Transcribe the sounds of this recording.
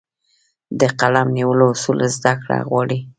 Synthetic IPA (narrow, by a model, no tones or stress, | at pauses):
d̪əqalamniwəlosulzd̪akɽa̰ɣwɑɽi